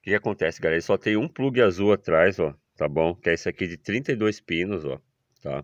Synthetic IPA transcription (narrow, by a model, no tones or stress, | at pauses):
kɪkʲakõnt̪ɛsɪɡalɛɾɐsɔt̪ẽj̃ũpluɡɪazuat̪ɾajzɔ | t̪abõkɛisakid͡ʒɪt̪ɾĩnt̪ɐid̪ojspĩnʊzɔ̰ | t̪a̰